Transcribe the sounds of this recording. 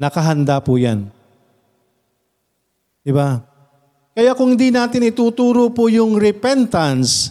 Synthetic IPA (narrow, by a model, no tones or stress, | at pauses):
nɐkɐɦɐnd̪apʊja̰n | d̪̥ɪba | kɐjakʊŋhɪnd̪inaːt̪ɪnɪt̪uːt̪uːɾopʊjʊŋɾɛpɛnt̪ɐns